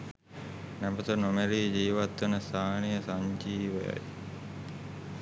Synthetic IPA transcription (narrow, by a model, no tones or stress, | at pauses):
næbət̪ənomeɾiːd͡ʒiːʋat̪ʋənəst̪aːnijəsaɲd͡ʒiːʋəja̰j